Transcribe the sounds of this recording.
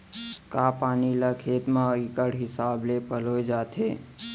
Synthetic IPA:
kapaːnilakʰeːt̪mãikəɽɦɪsablepəlojd͡ʒat̪ʰe

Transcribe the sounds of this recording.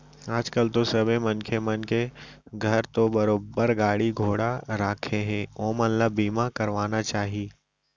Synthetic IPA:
aːd͡ʒkəlt̪osɐbemɐnkʰemɐnkeɡʱɐɾt̪obɐɾoːbəɾɡaːɽiɡʱoːɽaɾaːkʰẽɦɛ̃oːmɐnləbːiːmakɐɾʋaːnat͡ʃaːɦieː

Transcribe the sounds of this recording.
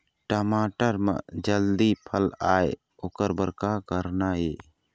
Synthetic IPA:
ʈəmaʈəɾma̰ʔd͡ʒəld̪ipʰəlaj | ɔkəɾbəɾkakəɾnaje

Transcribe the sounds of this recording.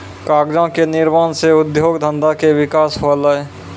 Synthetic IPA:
kaːɡd͡ʒãkenɪɾmaːnseʊd̪joːɡd̪ʱə̃nd̪akeʋɪkaːsɦoləe

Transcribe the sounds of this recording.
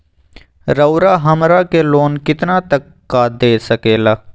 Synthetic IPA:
ɾəʊɾaɦɐmɾakeloːnkɪt̪nat̪əkːad̪eːsəkeːlaː

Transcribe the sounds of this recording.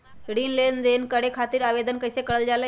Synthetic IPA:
ɽinlend̪enkəɽekʰat̪iːɾaʋed̪ənkəjsekəɾəld͡ʒalə

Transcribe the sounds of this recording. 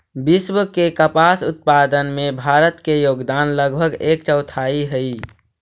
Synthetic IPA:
biswkekəpasut̪̚pad̪ənmebʱaɾət̪kejoɡd̪anləɡbʱəɡekt͡ʃəʊt̪ʰaiɦəi

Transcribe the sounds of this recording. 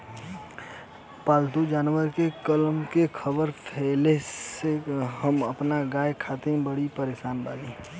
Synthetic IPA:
paːlt̪ud͡ʒaːnwəɾkekəlmkekʰəbəɾpʰɛleseɦəməpnaɡaːekʰat̪ẽbəɽipəɾeːsaːnba̰ːli

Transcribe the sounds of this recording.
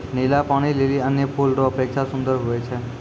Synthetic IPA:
nilapaɽ̃ileliənjəpʰulɾoəpekʃʰasʊ̃nd̪əɾɦojet͡ʃʰe

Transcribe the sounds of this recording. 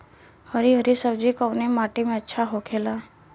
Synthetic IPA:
həɾiɦəɾisəbd͡ʒikəʋnemaːʈimẽətːʃʰaɦokʰeːlaː

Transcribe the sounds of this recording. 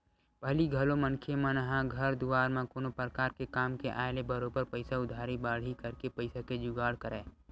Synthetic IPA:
bʱəliɡʱəlomənkʰemãnɐɦãɡʱəɾd̪uaːɾmãkoːnopɾəkaːɾkekaːmkeʔa̰ːelebəɾoːbəɾpəɪsaʊd̪ʱaːɾibaːɽ̤ikəɾkepəɪsaked͡ʒʊɡaːɽkəɾɛː

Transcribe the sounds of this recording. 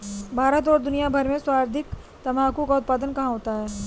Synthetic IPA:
bʱaːɾət̪̬ɔːɾd̪ʊnijabʱɐɾmẽswaːɾd̪ʱɪk | t̪ɐmaːkũkaʊt̪̚paːd̪ənkɐɦãɦoːt̪aɦɛː

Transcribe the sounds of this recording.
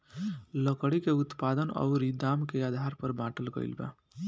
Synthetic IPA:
ləkəɽikeʊt̪paːd̪ənɔ̰ːɾid̪aːmkeaːd̪ʱaːɾpəɾbãːʈəlkə̰ḭlbã̰ː

